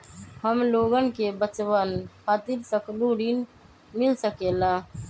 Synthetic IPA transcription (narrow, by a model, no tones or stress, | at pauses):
həmloːɡənkebət͡ʃwaːnkʰaːt̪ɪɾsəkluɽin | mɪlsəkeːlãː